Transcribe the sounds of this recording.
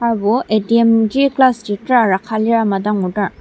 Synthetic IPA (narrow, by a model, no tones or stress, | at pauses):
aɹbuediemd͡ʒiklasditɾaɾakʰaliɾamadaŋudaɾ